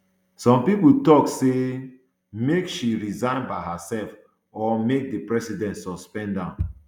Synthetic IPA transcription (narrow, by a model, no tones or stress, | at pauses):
sɔ̃mpiputɔkse | mekʃiɹizãɪ̃nbaɪɦasɛlf | ɔmek̚dəpɹɛsidɛ̃ntsɔspɛ̃ndã